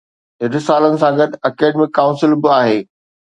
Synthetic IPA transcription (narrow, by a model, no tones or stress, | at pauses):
ɦɪnsaːlənɪ̆sãɡɐd̪ɐkeːɖmẽkaːʊ̃nsɪlbɪaːɦeː